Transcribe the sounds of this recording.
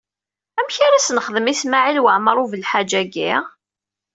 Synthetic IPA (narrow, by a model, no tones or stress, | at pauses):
æmçaɾæsnəχəðəmismaʕilwəʕməɾˤuvəlħad͡ʒæɡi